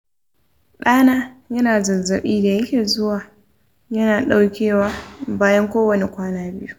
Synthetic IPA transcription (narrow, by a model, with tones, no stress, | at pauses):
ɗaː˦naː˦jɐ˦naː˨zɐ˨zɐ˨ɓiː˦da˨jɐ˦kʲeː˨zʊ˦waː˨ | jɐ˦naː˨ɗa˦wkʲeː˦˨waː˦baː˦jɐ˦ŋkʷoː˦wɐ˨ne˨kʷaː˦naː˦bɪ˦ju˦